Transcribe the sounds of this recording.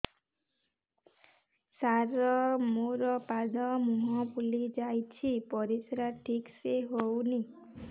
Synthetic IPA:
saɾɔmoɾɔpad̪ɔmuɦɔ̃pulid͡ʒajt͡ʃʰipɔɾisɾaʈʰikseɦowni

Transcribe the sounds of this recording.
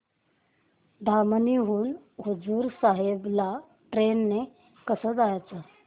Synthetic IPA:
d̪ʱaməniɦuːnɦud͡zuːɾsaɦebla | ʈɾenːe | kəsəd͡zajt͡sə

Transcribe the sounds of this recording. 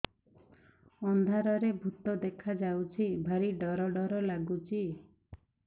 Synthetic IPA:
ɔnd̪ʱaɾɔɾebʱut̪ɔd̪ekʰad͡ʒawt͡ʃʰibʱaɾiɖɔɾɔɖɔɾɔlaɡut͡ʃʰi

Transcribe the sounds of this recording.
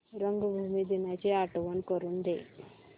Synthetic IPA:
ɾəŋɡəbʱumid̪inat͡ɕeaʈʋənkəɾuːnd̪e

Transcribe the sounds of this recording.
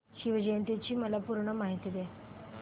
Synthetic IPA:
ɕiʋəd͡ʑent̪jet͡ɕiːməlapuɾɳəmaɦit̪iːd̪e

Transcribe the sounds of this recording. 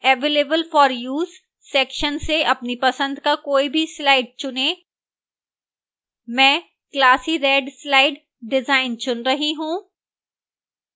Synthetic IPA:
ɛːʋeːleːbəlfɔːɾjuːz | sɛːkʃənseʔɐpnipɐsə̃nd̪kakoːibʱislaːɪɖ̚t͡ʃʊneː | mɛ̃ː | klaːsiɾɛːɖslaːɪɖ | ɖɪzaːɪnt͡ʃʊnɾɐɦiɦũː

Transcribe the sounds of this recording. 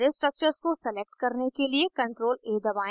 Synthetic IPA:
ɾesʈɾək̚t͡ʃəɾzkosɛleːk̚ʈkɐɾnekeliekɐ̃ɳʈɾoːleːd̪ɐʋaː

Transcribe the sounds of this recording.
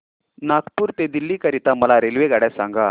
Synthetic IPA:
nakpuːɾt̪ed̪ilːiːkəɾit̪aməlaɾelʋeɡaɽjasãŋɡa

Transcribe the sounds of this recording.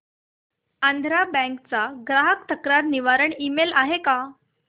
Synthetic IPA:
and̪ʱɾabɛ̃ŋkt͡saɡɾaɦək̚t̪əkɾaɾniʋaɾəɳimelaɦeka

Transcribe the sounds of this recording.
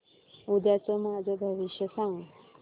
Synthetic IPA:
ud̪jat͡səmad͡zʱəbʱəʋiʃjəsãʋũ

